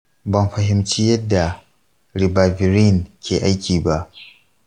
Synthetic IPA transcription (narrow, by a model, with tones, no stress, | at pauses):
bɐ˦mɸɐ˨ɦɪ˦mt͡ʃiː˦jɐ˦dːa˨ | ɽɪ˨baː˨vɪ˨ɾi˦˨ŋkʲʰeː˨ʔa˦jkʲiː˨ba˦ʔ